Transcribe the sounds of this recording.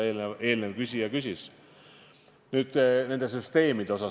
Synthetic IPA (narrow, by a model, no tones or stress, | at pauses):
eːlnee̞ːlne̞vkysʲijɑkysʲis | nyːd̪̥ne̞nd̪̥e̞s̬yst̪e̞ːmid̪̥e̞o̞sɑ